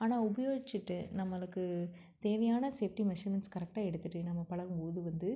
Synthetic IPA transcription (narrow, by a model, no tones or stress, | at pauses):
aːnaːʊbɐjoːɣɪt͡ʃːɯʈːɯnɐmːɐɭɯkːɯ | t̪eːʋɐjaːnɐseːfʈimɛʂiːmɛnskɐɾɛk̚ʈaːɛɽɯt̪ːɯʈːɯnɐmːɐpɐɻɐɣɯmpoːðɯʋɐnd̪ɯ